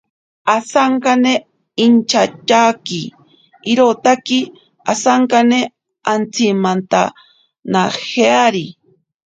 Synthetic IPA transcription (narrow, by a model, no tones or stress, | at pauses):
asaɴkane | int͡ʃat͡ʃakiː | ɾot̪aki | asaɴkane | ant͡simant̪a̰ | naheaɾi